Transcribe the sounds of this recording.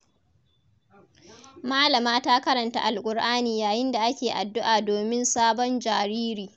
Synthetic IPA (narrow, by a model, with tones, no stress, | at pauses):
maː˦lɐ˨maː˦taː˦kɐ˦ɾɐ˨nta̰˦˨ʔa̰˨lkʷʼʊ˨rʔaː˦niː˨jaː˨jɪ˦nda˨ʔa˦kʲeː˨ʔa˨dːʊ˦ʔaː˨doː˨mɪ˦nsaː˦bɔ˦nd͡ʒaː˨ɾiː˦ɾiː˨